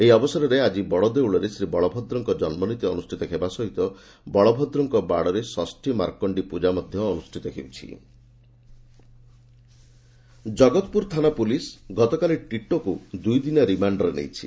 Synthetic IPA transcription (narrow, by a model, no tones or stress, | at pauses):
eɦiɔbɔsɔɾɔɾead͡ʒibɔɭɔd̪ewɭɔɾesɾibɔɭɔbʱɔd̪ɾɔŋkɔd͡ʒɔnmɔnit̪iɔnusʈʰit̪ɔɦʰebasɔɦit̪ɔ | bɔɭɔbʱɔd̪ɾɔŋkɔbaɽɔɾesɔsʈʰima̰ɾkɔɳɖipud͡ʒamɔd̪ʱjɔːnusʈʰit̪ɔkʰḛwt͡ʃʰḭ | d͡ʒɔɡɔt̪puɾt̪ʰanapulisɡɔt̪ɔkaleʈiʈɔkud̪ujd̪inɔɾimaɳɖɔɾenḛjt͡ʃʰi̥̰